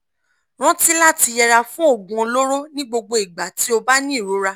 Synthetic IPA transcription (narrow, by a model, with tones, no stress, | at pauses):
ɾ̃ã˦ti˦la˦ti˧jɛ˧ɾa˧fũ˦o˦˨ɡ͡bũ˨˧o˧lo˦ɾo˦nĩ˦ɡ͡bo˧ɡ͡bo˧i˨ɡ͡ba˨ti˨˦o˧ba˦nĩ˦˨ɾo˨˦ɾa˧